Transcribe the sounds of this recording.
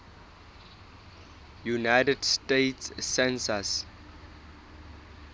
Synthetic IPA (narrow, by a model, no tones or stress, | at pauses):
junajtədstetsːɛ̃nsəs